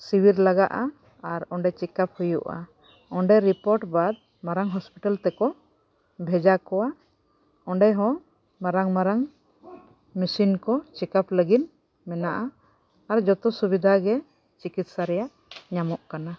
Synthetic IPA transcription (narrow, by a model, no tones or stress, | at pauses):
siwiɾlaɡaʔa | aɾɔɳɖɛt͡ʃɛkap̚hujṵʔa̰ | ɔɳɖɛɾipɔɾʈbad̪̚ | maɾaŋɦɔspiʈalt̪ɛkɔ | bʱɛd͡ʒakɔwa | ɔɳɖɛɦɔ̃ | maɾaŋmaɾaŋ | misinkɔt͡ʃɛkapləɡit̪ | mɛnaʔaː | ɾd͡ʒɔt̪ɔsubid̪ʱaɡɛ | t͡ʃikit̪̚saɾɛjaʔ | ɲamɔʔkana